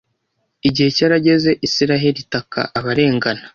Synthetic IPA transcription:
iɟihe̞caːɾaɟe̞ze̞ʔisiɾaɦe̞ɾitaka̰ʔaβaɾe̞ːŋɡanḁ

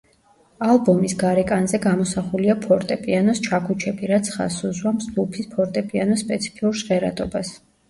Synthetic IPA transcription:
alˠbɔmisɡaɾɛkʼanzɛɡamɔsaχuliapʰɔɾt̪ʼɛpʼianɔst͡ʃʰakʰut͡ʃʰɛbiɾat̪sʰχa̰suzwamsɡ̪upʰispʰɔɾt̪ʼɛpʼianɔspʼɛt̪sʰi̥pʰiuɾʃʁɛɾa̰d̪ʼɔbas

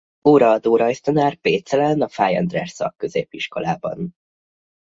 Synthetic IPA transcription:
oːɾɒɒd̪oːɾɒjst̪ɒnaːrpeːt̪sɛlɛnɒfaːjɛ̰nd̪rɛrsɒ̰kːø̞zeːpːiʃko̞̰laːbɒ̰n

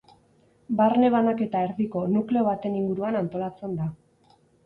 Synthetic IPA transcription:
baɾne̞βanake̞t̪ae̞ɾðiko̞nukle̞o̞βat̪e̞niŋɡuɾuanant̪o̞lat͡se̞nd̪a

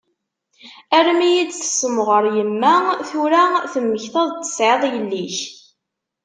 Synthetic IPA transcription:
æɾmijit͡sθə̥səmʁəɾˤjəmːæθuɾæθəmːəçθɑðˤt̪ːə̥sʕeðˤjəlːiç

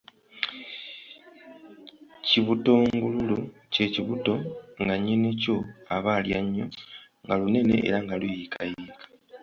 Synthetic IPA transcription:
ciβuto̞ŋɡululo | ce̞ciβuto̞ŋɡaɲene̞co̞aβaljaɲːo̞ | ŋɡalune̞ne̞̰ʔḛɾaŋɡalujikʰajiːkʰḁ

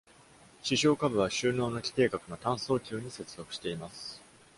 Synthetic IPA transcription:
ɕiɕo̞ːkabɯ̟β̞aɕɨːno̞ːno̞kʲi̥t̪e̞ːkakɯ̟no̞t̪ãɰ̃so̞ːkʲɨːɲ̟ise̞t͡sɨ̥zo̞kɯ̟̥ɕi̥t̪e̞imasɨ̥

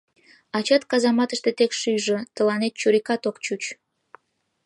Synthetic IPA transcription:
ɑt͡ɕɑt̪kɑzɑmɑt̪əʃt̪et̪ekʃyʒət̪əlɑnet̪̚t͡ɕuɾikɑt̪okt͡ɕut͡ɕ

